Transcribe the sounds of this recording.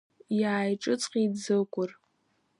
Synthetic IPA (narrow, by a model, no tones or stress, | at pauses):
jaːjʈ͡ʂʼɨt͡sʼqʲʼid͡zɨkʷʼʊr